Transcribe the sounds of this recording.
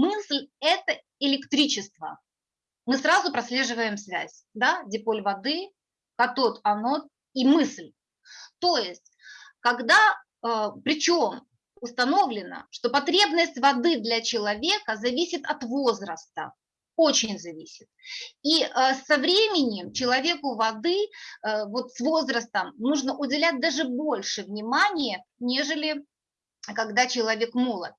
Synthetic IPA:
mɨslʲɛt̪ə | ɪlʲɪkt̪ɾʲit͡ɕɪst̪və̰ | mɨsɾazʊpɾɐsʲlʲe̞ʐɨvəjɪmsvʲæ̰zʲ | d̪adʲɪpolʲvɐd̪ɨ | kɐt̪ot̪ɐno | imɨslʲ | t̪ojɪsʲtʲkɐɡd̪a | əpɾʲɪt͡ɕo̞m | ʊst̪ɐno̞vlʲɪnə̰ʂt̪o̞pɐt̪ɾʲe̞bnəsʲtʲvɐd̪ɨd̪lʲɐt͡ɕɪlˠɐvʲe̞kəzɐvʲisʲɪt̪ɐt̪vo̞zɾəst̪ə̰ | o̞t͡ɕɪnʲzɐvʲisʲɪ̥t̪̚iʔəsɐvɾʲemʲɪnʲɪmt͡ɕɪlˠɐvʲe̞kʊvɐd̪ɨ | vo̞t̪svo̞zɾəst̪əmnuʐnəʔʊdʲɪlʲæt̚ʲd̪aʐɨbolʲʂɨvnʲɪmanʲɪjənʲe̞ʐɨlʲɪ | kɐɡd̪at͡ɕɪlˠɐvʲe̞kmolˠə̰t̪̚

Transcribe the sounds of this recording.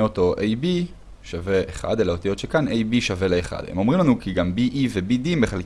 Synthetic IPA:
eot̪o̞ʔejbi | ʃave̞ʔeχa̰d̪elaot̪ijo̞t̪ʃekanejbiʃave̞leːχa̰d̥̪emo̞mʁimlanukiɡambiʔive̞bidimbeχal

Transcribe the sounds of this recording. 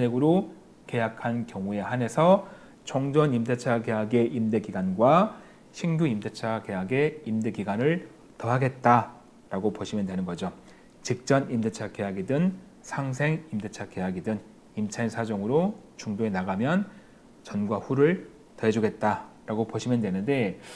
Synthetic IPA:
eɡɯɾo | ke̞jakʰankjʌŋue̞hane̞sʰʌ | t͡ɕʌŋd͡ʑʌnimde̞t͡ɕʰake̞ɦaɡe̞ʔimde̞ɡiɡanɡwa | ɕʰinɡjuimdet͡ɕʰake̞ɦaɡe̞imde̞ɡiɡwanɯɭ | tʌɦaɡe̞t̚t͈a | ɾaɡopoɕʰimjʌndwe̞nɯnɡʌd͡ʑo | t͡ɕik̚t͡ɕ͈ʌnimdet͡ɕʰake̞jaɡidɯn | sʰaŋsʰe̞ŋimde̞t͡ɕʰake̞ɦaɡidɯn | imt͡ɕʰainsʰad͡ʑʌŋɯɾot͡ɕuŋdoe̞naɡamjʌn | t͡ɕʌnɡwaɸuɾɯɭ | tʌɦed͡ʑuɡe̞t̚t͈aɾaɡopoɕʰimjʌndwe̞nɯnde̞

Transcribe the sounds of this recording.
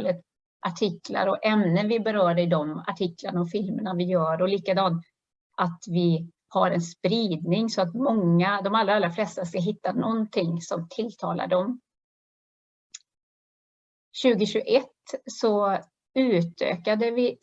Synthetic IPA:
lət̪ | ʔaʈʰɪkla̰ɾɔʔɛmnənvɪbɛɾœːɾɪd̪ɔma̰ʈʰɪklaɳaɔfɪlməɳavɪjœːɾɔliːkad̪ɑːn | ʔat̪vɪ | haɾɛnspɾiːd̪nɪŋsɔat̪mɔŋːad̪ɔmalɾaalɾaflɛst̪askaɦɪt̪ːanɔnt̪ʰɪŋsɔmt̪ʰɪlt̪ʰɑ̰ːla̰ɖɔm | ɕʉ̟ːɡəɕʉɡʔɛt̪ːsɔ | ʉ̟ːt̪ʰø̰ːkad̪əvɪ

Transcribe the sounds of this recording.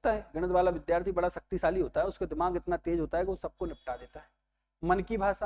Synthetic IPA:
t̪aɦɛːɡɐɽ̃ət̪ʋaːlaʋɪd̪jaːɾt̪ʰibɐɽaʃɐk̚t̪iʃaːliɦoːt̪aɦɛʊskad̪ɪmaːɡɪt̪nat̪eːd͡ʒɦoːt̪aɦɛkiʋosɐb̚konɪp̚ʈad̪eːt̪aɦɛː | mɐnkibʱaːʃa

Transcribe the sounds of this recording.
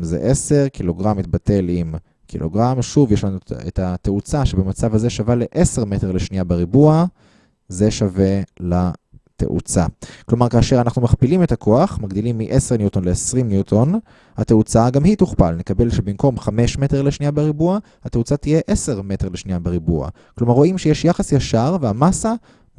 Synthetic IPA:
zḛʔe̞se̞ʁkilo̞ɡʁamit̪̚bate̞lim | kʰḭlo̞̰ɡʁamʃuvjeʃlanuḛtat̪eut͡saʃebemat͡savaze̞ʃavale̞ʔe̞se̞ʁmete̞ʁle̞ʃnijabeʁibua | ze̞ʃave̞la | t̪ḛʔṵt͡sa̰klo̞maʁkaːʃe̞ʁanaχnumaχpilime̞takʰoaχmaɡd̪ilimːiʔe̞se̞ʁnjut̪onleesʁimnjutʰo̞n | hate̞ut͡saɡamhituχpalne̞kabe̞lʃebimko̞mχame̞ʃmete̞ʁleʃnijabeʁibua | hat̪e̞ut͡sat̪ije̞ʔe̞se̞ʁme̞te̞ʁleʃniabeʁibua̰ | klo̞maʁːo̞imʃejeʃjaχasjaʃaʁveamasa

